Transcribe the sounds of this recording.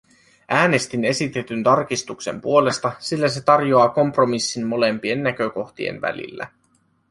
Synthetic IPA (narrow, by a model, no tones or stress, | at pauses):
ʔæːne̞st̪ine̞sit̪e̞t̪ynt̪ɑrkist̪ukse̞̰mpuole̞st̪ɑsilːæse̞t̪ɑrjo̞ɑːko̞mpro̞misːinːo̞le̞mpie̞nːæk̟ø̞ko̞xt̪ie̞̰nʋæ̰lḭlːæ̰